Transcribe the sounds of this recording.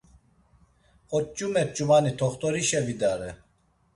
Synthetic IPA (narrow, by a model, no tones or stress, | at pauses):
ɔt̚t͡ʃumɛt̪̚t͡ʃʼumanit̪ʰɔχt̪ɔɾiʃɛvid̪aːɾɛ